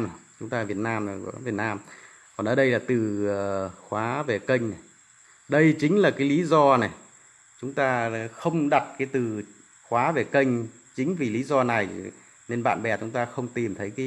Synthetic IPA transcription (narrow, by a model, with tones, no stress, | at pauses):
t͡ɕʊ˨˦ŋ͡mt̪aː˧vi˨˩ət̚naː˧m˨˩˧vət̚naː˧m | kɔ˨˩nʔəː˧˩˦ɗə˧jlaː˨˩t̪ɨː˨˩˨ | xwaː˨˦ve˨˩kə˧jŋ̟na˨˩ | ɗə˧jt͡ɕï˨˦ŋ̟laː˨˩kaː˨˦jli˨˦zɔ˧nɛ˨˩ | t͡ɕʊ˨˦ŋ͡mt̪aː˧xə˧wŋ͡mɗa˨˩t̚kaː˨˦jt̪ɨ˨˩ | xwaː˨˦ve˨˩kə˧jŋ̟ | t͡ɕï˨˦ŋ̟vi˨˩li˨˦zɔ˧na˨˩j | ne˧nɓa̰ː˧˨nɓɛ˨˩t͡ɕʊ˨˦ŋ͡mt̪aː˧xə˧wŋ͡mt̪i˨˩mt̪ʰə˨˦jkː